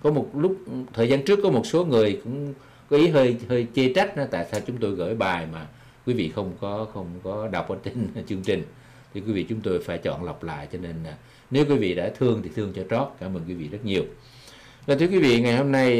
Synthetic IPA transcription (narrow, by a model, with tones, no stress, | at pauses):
kɔ˨˦mo˨˩t̚lʊ˦˥k͡p̚t̪ʰəː˨˩jzaː˧nt͡ɕɨ˦˥əkːɔ˨˦mo˨˩t̚so˨˦ŋɨ˨˩əjkʊ̰˧˥ŋ͡m | kɔ˨˦ʔi˨˦ɦəː˧jhəː˧jt͡ɕe˧t͡ɕa˦˥jk̟̚ʔt̪a̰ː˧˨jsaː˧wt͡ɕʊ˨˦ŋ͡mt̪o˧jɣə̰ː˧˩jɓaː˨˩jmaː˨˩ | kwi˨˦vḭ˧˨xə˧wŋ͡mkɔ˨˦xə˧wŋ͡mkɔ˨˦ɗa˨˩wk͡p̚ʔəː˧˦t͡ɕe˧n˨t͡ɕɨ˧əŋt͡ɕï˨˩ŋ̟ | t̪ʰi˨˩kwi˨˦vḭ˧˨t͡ɕʊ˨˦ŋ͡mt̪o˧jfaː˧˩jt͡ɕɔ̰˧˨nla˨˩wk͡p̚la̰ː˧˨jt͡ɕɔ˧ne˧na˨˩ | ne˨˦wkwi˨˦vḭ˧˨ɗa̰ː˧˥t̪ʰɨ˧əŋt̪ʰi˨˩t̪ʰɨ˧əŋt͡ɕɔ˧t͡ɕɔ˦˥t̚kaː˧˩məː˧˨˩nkwi˨˦vḭ˧˨zə˦˥t̚ɲi˨˩əw | vaː˨˩t̪ʰɨ˧˦əkwi˨˦vḭ˧˨ŋa˨˩jho˧mna˧j